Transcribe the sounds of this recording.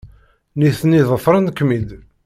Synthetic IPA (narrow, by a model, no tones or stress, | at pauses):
niθniðˤəfɾˤənkːmid̪